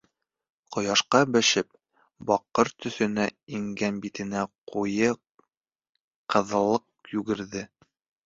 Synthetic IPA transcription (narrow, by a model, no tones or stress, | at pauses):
qŏjɑʃqɑbæʃɘp̚ | bɒqːɤɾt̪ɵ̆θɵ̆næiŋɡænbit̪ɘ̆næqujɤ | qɤ̆ðɤ̆lˠːɤq̚jʉɡɘ̆ɾðɘ